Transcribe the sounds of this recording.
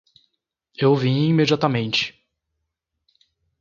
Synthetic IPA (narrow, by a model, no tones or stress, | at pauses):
ewvĩĩmed͡ʒiat̪ɐmẽnt͡ʃɪ̥